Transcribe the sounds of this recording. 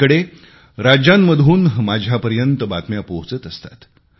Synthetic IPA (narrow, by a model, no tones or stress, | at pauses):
əɽe | ɾad͡ʑamːəd̪ʱuːnmad͡ʑʱjapəɾjənt̪əbat̪mjapoɦt͡sət̪əst̪ḁ̰t̪